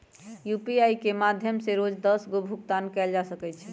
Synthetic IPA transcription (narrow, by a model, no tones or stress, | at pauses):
jupiajkemad̪ʱjəmseɾod͡ʒd̪əsɡobʱukt̪ankɛld͡ʒasəkɛt͡ʃʰɛ